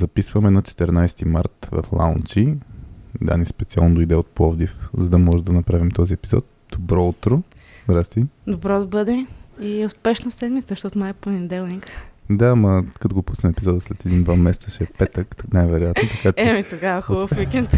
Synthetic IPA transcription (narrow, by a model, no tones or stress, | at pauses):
zɐpisvəmɛd̪nɔt͡ʃɛ̥t̪ɛɾnajst̪ima̰ɾt̪vɐ̰flˠa̰unt͡ʃi | d̪a̰nispɛt̪sia̰lˠnod̪oid̪ɛot̪̚plˠɔvd̪ifzɐd̪ɐmɔʒɛd̪ɐnɐpɾavimt̪ɔziɛpizɔ̰t̪̚ | d̪̥obɾɔut̪ɾozd̪ɾast̪id̪obɾɔd̪ɐbɤd̪ɛiʊspɛʃnəsɛd̪mit̪əzəʃt̪ɔt̪ʊnajponind̪ɛlˠnikd̪aːmɐkɐt̪oɡopusnɛmɛpizɔd̪əslɛt̪ɛd̪ind̪vamɛsɛt̪səʃɛɛpɛt̪əknajvɛɾoʊjat̪not̪ɐkat͡ʃɛɛmit̪oɡavɐxɔbəfwikɛnt̪